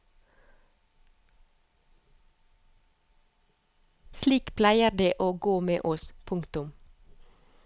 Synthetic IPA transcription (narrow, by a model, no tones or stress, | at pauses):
sliːkpʰlæɪəd̪eːʔoːɡoːmḛːʔɔspʰʊŋkt̪ʊm